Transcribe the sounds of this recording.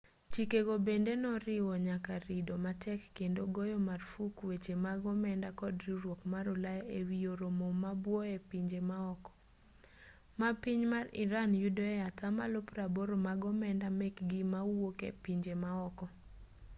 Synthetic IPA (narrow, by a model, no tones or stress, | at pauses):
t͡ʃikeɡobendenɔɾɪwɔɲakaɾidɔmatʰɛkːendoɡɔjɔmarfukwet͡ʃemaɡɔmɛndakɔdriɾwokmaɾɔlajewijoɾomɔmabwɔepiɲd͡ʒemaɔkɔ̥ | mapiɲmarɪɾanjudɔatama̰lopraboɾomaɡɔmɛndamɛkɡimawokḛpiɲd͡ʒemaɔkɔ